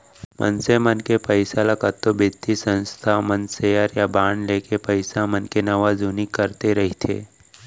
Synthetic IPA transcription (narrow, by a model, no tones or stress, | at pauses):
mə̰nsemənkepəɪsalakət̪ːobɪt̪ːisə̃nst̪ʰamənsejəɾjabaːɳleːkepəɪsamənkenɐʋazunikːəɾt̪eɾɐɦit̪ʰḛː